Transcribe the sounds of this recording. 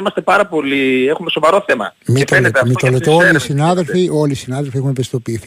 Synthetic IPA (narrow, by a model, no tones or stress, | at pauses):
imɐst̪e̞pɐɾɐpo̞liexumesovɐɾo̞θe̞mɐ̰mit̪olet̪mit̪olett̪eolisinɐðe̞lfiʔo̞lisinɐðelfiexunpest̪opiːθi